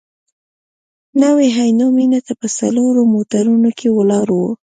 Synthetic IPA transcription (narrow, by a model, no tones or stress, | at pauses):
naweɦajnominat̪apəsa̰loɾomot̪aɾunokʰewəlɑɾwo